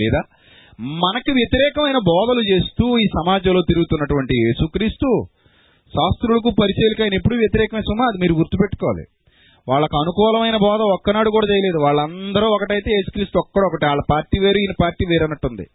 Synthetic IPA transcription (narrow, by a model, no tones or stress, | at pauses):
lɛːd̪aː | mɐnɐkiʋjɐt̪iɾɛːkɐmɐjnɐbɔːd̪ɐlut͡ʃe̞ːst̪uːiːsɐmaːd͡ʒɐlo̞ːt̪iɾuɡut̪unːɐʈuʋɐɳʈijeːsukɾiːst̪u | ʃaːst̪ɾulɐk̬uːpɐɾiseːlikaːjɐnep̬ːuɽuʋjɐt̪iɾɛːkɐmɐsumaːɐd̪imiːɾuɡuɾt̪upeʈːu̥kɔːʋa̰lḭ | ʋaːɭːɐkɐnukɔːlɐmɐjnɐbɔːd̪ɐɔkːɐnaːɽukuːɽaːt͡ʃɛjɐle̞ːd̪uʋaːɭːɐnd̪ɐɾuɔkɐʈɐjt̪e̞ːje̞ːsu̥kɾiːst̪uɔkːɐɽɔkɐʈiaːɭːɐpaːɾʈiːʋe̞ːɾuiːnɐpaːɾʈiːʋeːɾɐnːɐʈːund̪ḭ